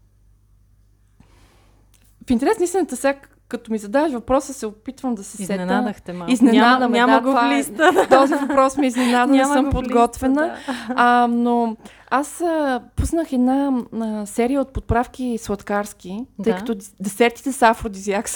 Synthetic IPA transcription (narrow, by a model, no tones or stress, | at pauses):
fint̪ɛɾɛsnist̪inət̪əsʲak | kːət̪omizɐd̪avəʃvɐpɾɔsəsɛopit̪vəmd̪ɐsɛsɛt̪t̪ɛiznɛnad̪əmɛaməɡolist̪t̪ɔzivɐpɾɔsmɛiznɛnad̪ənɛsɤmpodɡɔt̪vɛnə | no | asəpusnəxɛd̪nasɛɾijəot̪̚pot̪̚pɾafk̟iswˠɐt̪kaɾsk̟it̪ɤjkɐt̪ɔd̪ɛsɛɾt̪i̥t̪ɛsafɾod̪iziaks